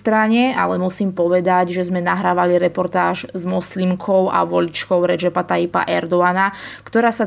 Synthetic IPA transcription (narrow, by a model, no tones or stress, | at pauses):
t̪ɾaɲɛa̰lɛmusiːmpɔʋɛd̪aɟʒɛzmɛnaɦɾaːʋaliɾɛpɔɾt̪aːʒzmɔslimkʰɔʊʔa̰ʋɔlit͡ʃkɔʊɾɛd͡ʒɛpat̪aipa̰ʔɛɾd̪ɔanakt̪ɔɾaːsa